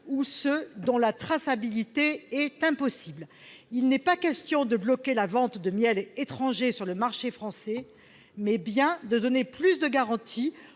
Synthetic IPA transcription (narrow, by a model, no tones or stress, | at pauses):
usəd̪ɔ̃lat̪χasabilit̪eɛt̪ɛ̃pɔsibl | ilnɛpakʲɛst̪jɔ̃d̪əblɔkʲelavɑ̃t̪d̪əmjɛlet̪χɑ̃ʒesyʁləmaʁʃefχɑ̃sɛ | mɛbjɛ̃d̪əd̪ɔneplysd̪əɡaʁɑ̃t̪ʰi